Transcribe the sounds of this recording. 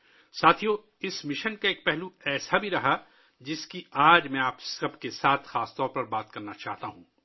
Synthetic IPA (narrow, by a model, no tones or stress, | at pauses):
saːt̪ʰijoː | ɪsmɪʃənkaeːk̚pɛɦluɛːsabʱiɾɐɦa | d͡ʒɪskiaːd͡ʒmɛ̃aːpsɐbkesaːt̪ʰxaːst̪ɔːɾpɐɾbaːt̪kɐɾnat͡ʃaːɦt̪aɦũː